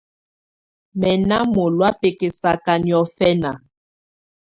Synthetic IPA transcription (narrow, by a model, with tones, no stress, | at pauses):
mɛ˨na˦mo˨lwa˦pe˨ke˨sa˨ka˨njɔ˨fɛ˦na˨